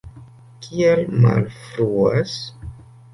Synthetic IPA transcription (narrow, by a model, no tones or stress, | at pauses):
kʰielma̰lfɾuas